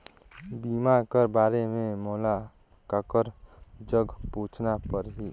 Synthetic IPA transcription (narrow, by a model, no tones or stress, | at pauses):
biːmakəɾbaːɾemẽmoːla | kəkəɾd͡ʒəɡpuːt͡ʃʰnapəɾɦiː